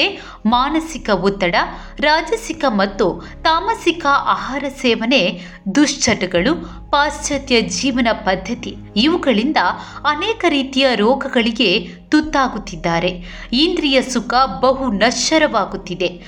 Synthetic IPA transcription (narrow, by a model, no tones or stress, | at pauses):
e | maːnɐsikɐut̪ːɐɽɐ | ɾaːd͡ʒɐsikɐmɐt̪ːu | t̪aːmɐsikɐʔaːɦaːɾɐsɛːʋɐne̞ | d̪uʂt͡ʃʰɐʈɐɡɐɭu | paːst͡ʃɐt̪jɐd͡ʒiːʋɐnɐpɐd̪ʱːɐt̪i | iʋuɡɐɭind̪ɐɐnɛːkɐɾiːt̪ijɐɾɔːɡɐɡɐɭiɡe̞ | t̪ut̪ːaːɡut̪ːid̪ːaːɾe̞ | ind̪ɾijɐsukɐbɐɦunɐʃɐɾɐʋaːɡut̪ːid̪e̞